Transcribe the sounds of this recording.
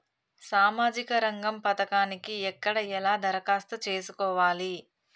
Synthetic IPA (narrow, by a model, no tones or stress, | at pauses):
saːmaːd͡ʒikɐɾɐŋɡɐmpɐt̪ɐkaːnikiɛkːɐɽɐɛlaːd̪ɐɾɐkaːst̪ɐt͡ʃe̞ːsukɔːʋaːli